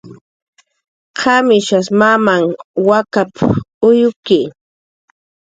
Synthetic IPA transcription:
kʰamɪʃasmamaŋwakapʊjʊki

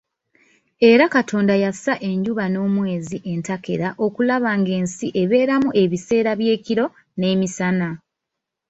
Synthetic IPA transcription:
e̞ɾakatʰo̞ːndajasaʔe̞ɲɟuβano̞ːmwe̞ːziʔe̞ntake̞̰ɾaʔo̞kulaβaːŋɡe̞ːnsiʔe̞βe̞ːɾamuʔe̞βise̞ːɾaβje̞ːciɾo̞ | ne̞ːmisana

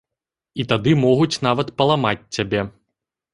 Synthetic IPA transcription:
it̪ad̪ɨmɔɣut͡sʲn̪avɐt̪pɐlˠamat͡sʲt͡sːʲabʲɛ

